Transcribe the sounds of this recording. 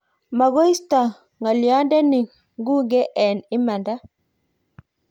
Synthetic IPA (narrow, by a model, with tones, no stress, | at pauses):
ma˨ɡo˦i˦sta˨ | ŋa˨lja˦ndɛ˦ni˨ŋ | ŋɡu˦ɡɛ˦ʔɛ˨nɪ˦ma˨nda˦